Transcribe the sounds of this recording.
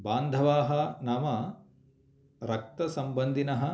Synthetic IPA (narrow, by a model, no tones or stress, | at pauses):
baːnd̪ʱɐʋaːɦɐnamɐ | ɾɐk̚t̪ɐsɐmbɐnd̪ʱinɐɦɐ̆